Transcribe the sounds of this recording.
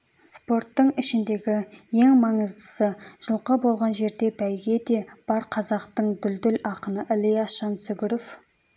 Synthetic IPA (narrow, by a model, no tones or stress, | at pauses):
spo̞rt̪ːəɴɪʃɪnd̪e̞ɡʲɪje̞ŋmɑɴəzd̪əsəʒ̥əlˠqəbo̞lˠʁɑnʒe̞ɾd̪e̞bæjɡʲe̞d̪e̞b̥ɑɾqʰɑzɑqt̪əɴd̪ʏld̪ʏlɑqənəʔɪlijɑʃɑnsʏɡʲɪɾof